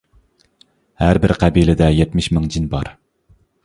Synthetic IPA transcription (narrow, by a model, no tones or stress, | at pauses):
hæɾbɪɾqʰæbiːlɪd̪ɛjɛt̪mɪʃmɪŋd͡ʒinbɑɾ